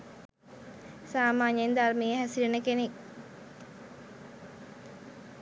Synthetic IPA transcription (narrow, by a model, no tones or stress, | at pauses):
saːmaːɲnd̪armejəɦæsilenəkenek̚